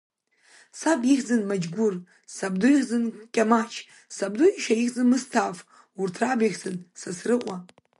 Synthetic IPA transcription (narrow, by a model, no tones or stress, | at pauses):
sabixʲzɨnmad͡ʒɡʷʊr | sabdujiχzɨnkʲʼamat͡ʃʰ | sabdujiʃajixzɨnmɨstʰaf | urtʰrabixzɨnsasrɨqʷʼa